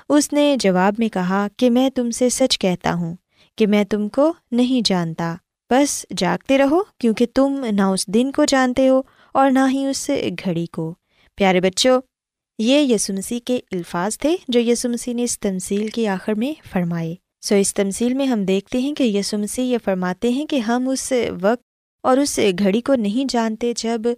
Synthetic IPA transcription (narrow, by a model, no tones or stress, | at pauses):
ʊsned͡ʒɐʋaːbmẽkɐɦakemɛ̃ːt̪ʊmsesɐt͡ʃkɛɦt̪a̰ɦũː | kemɛ̃ːt̪ʊmkonɐɦĩd͡ʒaːnt̪aː | b̥ɐsd͡ʒaːɡ̚t̪eɾɐɦokjõːket̪ʊmnaʊsd̪ɪnkod͡ʒaːnt̪eɦoː | ɔːɾnaɦĩʊsɡʱɐɽikoː | pjaːɾebɐtːʃoː | jeːjɐsuməsikeɪlfaːzt̪ʰed͡ʒoːjɐːsuməsineɪst̪ɐmsiːlkeaːxɪɾmẽfɐɾmaːeː | soːɪst̪ɐmsiːlmẽɦɐmd̪eːk̚ʰt̪eɦɛ̃kejɐsuməsiɦjefɐɾmaːt̪eɦɛ̃keɦɐmʊsʋɐk̚t̪ | ɔːɾʊsɡʱɐɽikonɐɦĩd͡ʒaːnt̪ed͡ʒɐb